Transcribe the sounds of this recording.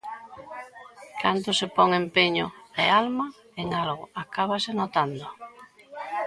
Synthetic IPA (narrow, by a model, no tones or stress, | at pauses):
kʰant̪ʊsepɔŋempeɲoealma | eŋalɣʊakaβasenot̪and̪ʊ